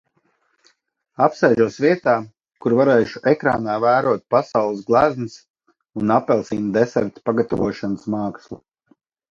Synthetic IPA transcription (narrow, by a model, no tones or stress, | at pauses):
apsɛjʒuɔsvʲiɛt̪aː | kuɾvaɾɛːʃu̥ʔekɾa̰ːnaːvæːɾuɔt̪̚pasawlˠəs̬ɡlˠæzmɨs | unapːɛlˠsiːnd̪ɛsɛɾt̪paɡat̪a̰vuɔʃanəsmɑːkslˠṵ